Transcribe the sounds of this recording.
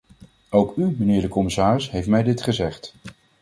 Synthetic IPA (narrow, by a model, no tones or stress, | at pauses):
owkymənɪːɹdəkɔmɪsaːrɪsɦejftmɛjdɪtχəzɛχt